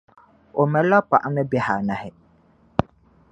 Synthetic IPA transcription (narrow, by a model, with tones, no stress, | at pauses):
o˨mɛ˨la˦pa˨ʔa˨mɨ˦bɛ˨ha˨na˦hɪ˨